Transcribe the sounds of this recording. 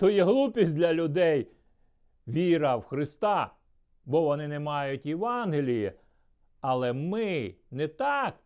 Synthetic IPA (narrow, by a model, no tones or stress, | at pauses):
t̪ɔjɛɦlˠupʲisʲd̪ʲlʲɐlʲʊd̪ɛj | ʋʲiɾɐwxɾɪst̪ɑ | bɔʋɔnɪnɛmɑjʊtʲjeʋɑnɦelʲiji | ɐlˠɛmɪnɛt̪ɑk